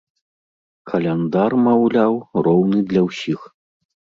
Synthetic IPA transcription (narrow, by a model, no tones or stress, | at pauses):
kʰɐlʲɛnd̪armawlʲawrɔwnɨd̪lʲɐwsʲix